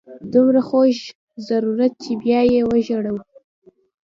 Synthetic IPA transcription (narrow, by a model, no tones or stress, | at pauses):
d̪umɾaxoʃ | zaɾuɾat̪̚t͡ʃebjɑjewəʒoɽaw